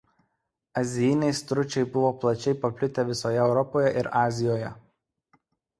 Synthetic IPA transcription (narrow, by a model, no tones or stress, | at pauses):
ɐzʲɪjɪnʲɛɪst̪ɾʊt͡ʃʲɛɪbʊʋoːplˠɐt͡ʃʲɛɪpɐpʲlʲɪt̪ʲɛʋʲɪsoːjɛɛʊɾɔpoːjɛʔɪɾɑːzʲɪjoːjɛ